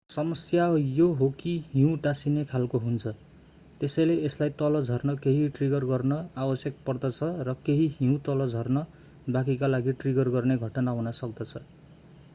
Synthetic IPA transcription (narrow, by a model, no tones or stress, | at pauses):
sʌmʌsjajoɦokiɦĩʈasinekʰalkoɦunt͡sʰʌ | t̪esʌjleːslajt̪ʌlʌd͡zʱʌrnʌkeɦiʈriɡʌrɡʌrnʌawʌsjek̚pʌrd̪ʌt͡sʰʌrʌkeɦiɦiũt̪ʌlʌd͡zʱʌrnʌ | bak̬ikalaɡiʈriɡʌrɡʌrneɡʱʌʈʌnaɦunʌsʌk̚d̪ʌt͡sʰʌ